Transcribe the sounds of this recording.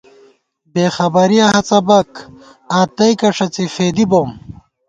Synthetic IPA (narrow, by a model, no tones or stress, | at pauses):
beːxɐbɐɾijɐɦɐt͡sɐbɐk | aːt̪ɐjkɐʂɐt͡sifeːd̪ibom